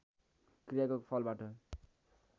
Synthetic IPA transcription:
krijakokpʰʌlbaʈʌ

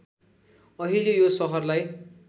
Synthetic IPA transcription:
ʌɦilejosʌɦʌrlaj

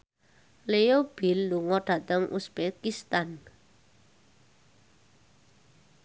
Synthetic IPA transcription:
leob̥ilːuŋɔɖ̥ä̤t̪əŋʔṵsbekist̪an

